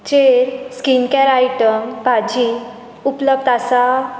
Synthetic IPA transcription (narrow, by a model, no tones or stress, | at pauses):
t͡ɕeɾskinkaɾajʈəmpad͡ʑi | upləb̚d̪asa